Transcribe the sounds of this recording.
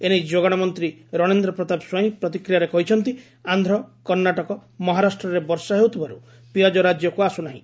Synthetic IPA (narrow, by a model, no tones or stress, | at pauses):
ened͡ʒoɡaɽ̃amɔnt̪ɾiɾɔɽ̃end̪ɾɔpɾɔt̪abswaɦĩpɾɔt̪ikɾijaɾekɔɦit͡ʃʰɔnt̪i | and̪ʱɾɔkɔɾnaʈɔkɔmɔɦaɾasʈɾɔɾebɔɾsaɦeɦut̪ʰibaɾu | pijɔd͡ʒɔɾad͡ʒjɔkuasunaɦḭ̃